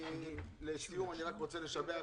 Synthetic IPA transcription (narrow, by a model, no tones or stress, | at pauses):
leʃijumaniʁakʁot͡se̞le̞ʃavea